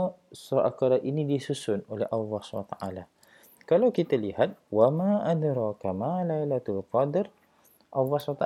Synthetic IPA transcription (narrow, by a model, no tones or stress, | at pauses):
suʔa̰kaɾaʔinidisusʊnolɛ̰hʔalːɑhswa̰t̪aʔala | kalawkit̪alihat̪̚wamaːʔad̪ɾɑkamalajlat̪ʊlqɑd̪ɪɾ | ʔalːɑswat̪a